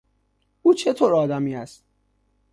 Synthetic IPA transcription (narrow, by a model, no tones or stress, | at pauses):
uːt͡ʃʰet̪ʰoːɾɒːd̪æmiːæst̪̚